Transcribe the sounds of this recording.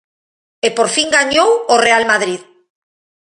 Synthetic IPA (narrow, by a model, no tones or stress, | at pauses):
epoɾfiŋɡaɲoworealmaðɾið